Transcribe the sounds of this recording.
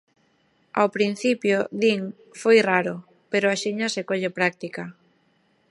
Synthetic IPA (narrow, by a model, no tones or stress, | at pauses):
awpɾin̟θipjʊðiŋ | fojraɾʊ | peɾʊaʃiɲɐsekoʎepɾak̚t̪ika